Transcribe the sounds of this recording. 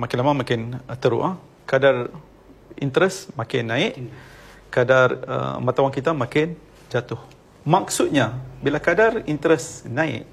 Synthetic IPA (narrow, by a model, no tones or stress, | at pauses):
makɪnlamamakɪnt̪əɾṵʔa | kadar | ḭnt̪əɾəsmãkɪnːãɪʔ | kadarə̰mãt̪awaŋkit̪amakɪn | d͡ʒat̪ʊh | mak̚sʊt̪̚ɲabilakadarint̪ɾəsnãɪ̰ʔ